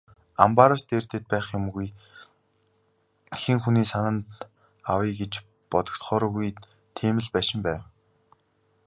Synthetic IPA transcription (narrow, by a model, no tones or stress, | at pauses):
a̰mpaɾɔst̪eːrt̪ĕːt̪̚pæːχjʊmɣuj | xiŋxuniːsanə̆nt̪ | awiːɡet͡ɕ | pɔt̪ɞ̥̆kt̪χɔːɾɔːɣuj | t̪ʰeːmɘ̆ɮpæːʃɪ̆mpæːw